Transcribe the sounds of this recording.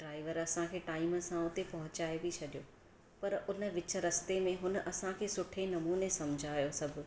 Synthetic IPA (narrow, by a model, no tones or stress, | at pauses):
ɖɾaːɪʋəɾɐsãkʰeːʈaːɪməsãʊt̪epɐɦʊ̃t͡ɕaːebit͡ɕʰɐɗijoː | pɐɾʊnə̆ʋɪt͡ɕə̆ɾɐst̪emẽɦʊnəʔɐsãkʰeːsʊʈʰenɐmuːnesɐmd͡ʑʱaːjosɐbʱʊ̆